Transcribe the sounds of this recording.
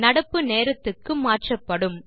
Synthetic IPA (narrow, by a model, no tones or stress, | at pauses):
nɐɽɐpːɯneːɾɐt̪ːɯkːɯmaːrʈrɐpːɐɽɯm